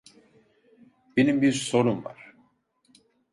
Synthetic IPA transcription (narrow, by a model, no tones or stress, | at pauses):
b̥enimbiɾso̞ɾumva̰ɾ̥